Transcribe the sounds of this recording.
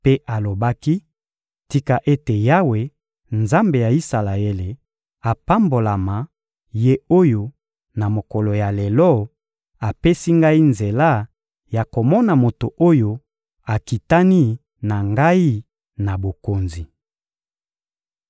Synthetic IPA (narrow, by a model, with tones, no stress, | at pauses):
pe˦ʔa˨lo˨ba˦ki˦ | ti˦ka˨ʔe˦te˨ja˦we˨˦ | nza˦mbe˨ja˨i˦sa˨la˨e˦le˨ | a˨pa˦mbo˨la˨ma˨ | je˦o˦jo˦ | na˨mo˨kɔ˨lo˨ja˨le˨lɔ˦ | a˨pe˦si˦ŋɡa˦i˦nze˨la˦˨ | ja˨ko˨mɔ˦na˨mo˨to˨ʔo˦jo˦ | a˨ki˨ta˦ni˦ | na˨ŋɡa˦i˦ | na˨bo˨ko˨nzi˨